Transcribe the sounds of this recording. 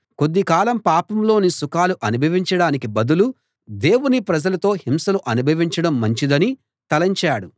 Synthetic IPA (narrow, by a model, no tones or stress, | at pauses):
ko̞d̪ːikaːlɐmpaːpɐmlo̞ːnisukaːluʔɐnubʱɐʋiɲt͡ʃɐɽaːnik̬ibɐd̪ulu | d̪eːwunipɾɐd͡ʒɐlɐt̪o̞ːhimsɐluʔɐnubʱɐʋiɲt͡ʃɐɽɐmːɐɲt͡ʃid̪ɐni | t̪ɐlɐɲt͡ʃaːɽu